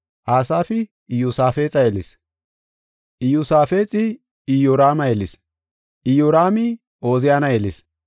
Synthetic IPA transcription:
ʔaːsaːfɪ | ɪjʊsaːfe̞ːt͡sʼɐjɛlɪs | ʔɪjʊsaːfe̞ːt͡sʼɪ | ɪjoɾaːmɐjɛlɪs | ʔɪjoɾaːmɪ | ʔoːzɪjaːnɐjɛlɪs

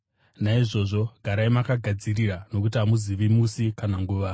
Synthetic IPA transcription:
naiʐo̞ʐo̞ɡʱaɾaimakaɡʱad͡ziriɾano̞kut̬iamuziʋimusikanaŋɡuːʋa

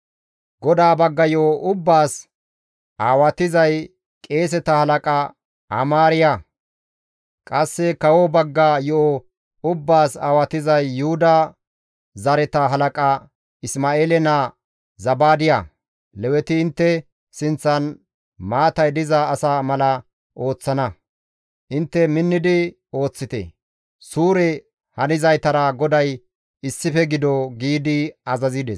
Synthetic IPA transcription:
ɡɔd̪aːbɐɡːɐjɔʔoʔʊbːaːs | ʔaːwɐt̪ɪzɐj | kʼe̞ːs̬ɛt̪ɐhɐlɐkʼɐ | ɐ̰maːɾɪjɐ | kʼɐsːɛkɐwɔbɐɡːajɔʔo | ʊbːaːsaːwɐt̪ɪzɐjːʊhʊd̪ɐ | zɐɾɛt̪ɐɦɐlɐkʼɐ | ɪsmaːeːlɛnɐ | zɐbaːd̪ɪja | lɛwɛt̪ɪːnt̪ːɛ | sɪnt͡sːɐn | maːt̪ɐjd̪ɪzɐːsamɐlɐ | ʔo̞ːt͡sːɐnɐ | ʔɪnt̪ːɛmɪnːɪd̪ɪ | o̞ːt͡sːɪt̪ɛ̰ | suːɾɛ | hɐnɪzɐjt̪ɐɾɐɡɔd̪ɐj | ɪsːɪfɛɡɪd̪ɔɡiːd̪ɪɐzɐzɪd̪ɛs

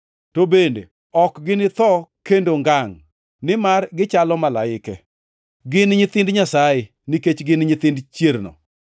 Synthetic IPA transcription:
tobendḛ | ɔkɡɪnɪt̪ɔkendoŋɡaŋ | nɪmarɡɪt͡ʃalɔmalaɪkɛ | ɡɪnɲɪt̪ɪndɲasajɪ | niket͡ʃɡɪnɲɪt̪ɪndt͡ʃjeɾnɔ̰

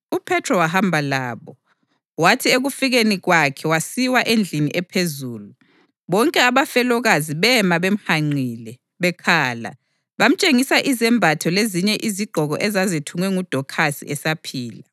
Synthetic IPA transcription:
upʰɛtʰrɔwaɦambʱalaːβɔ | watʰieɣufiɣeniɣwakʰɛwasiwaʔend͡ɮʱinḭʔɛpʰezuːlu | βɔŋkʼɛaβafɛlɔɣaziβɛmaβem̩haŋ͡ǀʱiːlɛ | βɛkʰaːla̰ | βam̩t͡ʃʼeŋisaʔizɛmbʱatʰɔleziɲɛʔiziɡ͡ǃʱɔɣɔʔɛzazetʰuŋwɛŋud̥ʱɔkʰasḭʔɛsapʰiːla

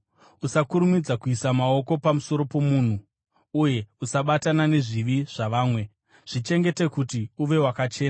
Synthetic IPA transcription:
usakuɾumid͡zakuisamao̞ko̞pamuso̞ɾo̞po̞muːn̤u | uje̞usaɓatanane̞ʐiʋiʐ̥aʋaːmwe̞ | ʐ̥it͡ʃe̞ŋɡe̞te̞kutiuʋe̞wakat͡ʃe̞ːna

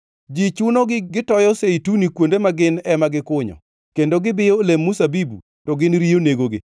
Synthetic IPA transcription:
d͡ʒit͡ʃunoɡɪɡɪtɔjɔseitunikwondemaɡɪnɛmaɡɪkʊɲɔ̰ | kendoɡɪbɪjɔlemːusabibṵ | tɔɡɪnɾijoneɡoɡɪ̰

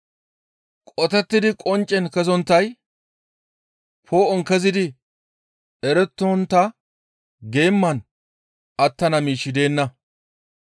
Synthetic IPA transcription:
kʼɔt̪ɛt̪ːɪd̪ɪkʼɔnt͡ʃʼːɛnkɛzɔnt̪ːɐj | pʰoːʔɔŋkɛzɪd̪ɪ | ɛɾɛt̪ːɔɔnt̪ːɐ | ɡe̞ːmːɐn | ɐt̪ːɐnɐmiːʃːɪd̪e̞ːnːɐ

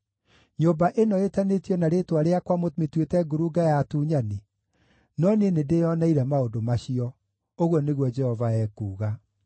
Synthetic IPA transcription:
ɲombaʔenɔetanetjɔnaɾetwaɾeakwamotmetwetɛɡoɾuɡajatuːɲane | nɔnenedejɔnaiɾɛmaodomaɕiɔ | oɣwɔneɣwɔd͡ʑɛhɔvaɛːkuːɣa

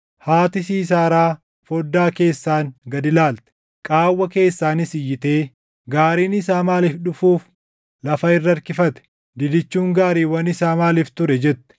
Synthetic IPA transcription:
haːt̪ɪsiːs̬aːɾaː | fɔd̪ːaːke̞ːsːaːŋɡɐd̪ɪlaːlt̪ɛ̥ | kʼaːwːɐke̞ːsːaːnɪsɪjːɪt̪e̞ː | ɡaːɾiːnɪsaːmaːliːfᶑʊfuːf | lɐfɐɪrːɐɾkɪfɐt̪ɛ̥ | d̪ɪd̪ɪt͡ʃːuːŋɡaːɾiːwɐnɪsaːmaːliɪːft̪ʊɾɛd͡ʒɛt̪ːɛ̥

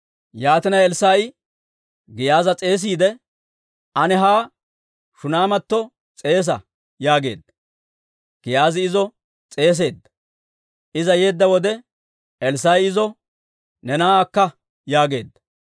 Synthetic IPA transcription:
jaːt̪ɪnɐjɛlsaj | ɡɪjaːzɐt͡sʼe̞ːs̬iːd̪ɛ | ʔɐnɛɦaː | ʃʊnaːmɐt̪ːɔ | t͡sʼe̞ːs̬ɐ | jaːɡe̞̰ːd̪ːɐ̥ | ɡ̥ɪjaːzɪɪzɔ | t͡sʼe̞ːs̬e̞ːd̪ːɐ̥ | ʔɪzɐje̞ːd̪ːɐwɔd̪ɛ | ɛlsajɪzɔ | nɛnaːkːɐ | jaːɡe̞̰ːd̪ːɐ̥

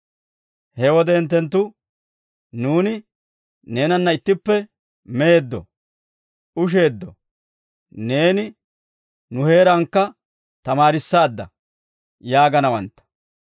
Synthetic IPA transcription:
hɛwɔd̪ɛɪnt̪ːɛnt̪̬ːʊ | nuːnɪ | ne̞ːnɐnːɐɪt̪ːɪpːɛ | meːd̪ːɔ̰ | ʔʊʃ̬e̞ːd̪ːɔ̰ | ne̞ːnɪ | nʊhe̞ːɾɐŋkːɐ | t̪ɐmaːɾɪsːaːd̪ːɐ̰ | jaːɡɐnɐwɐnt̪ːɐ̥

